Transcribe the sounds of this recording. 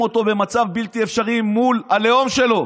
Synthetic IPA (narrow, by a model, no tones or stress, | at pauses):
o̞t̪o̞be̞mat͡savbilt̪iefʃaʁimːulaleo̞mʃe̞lo̞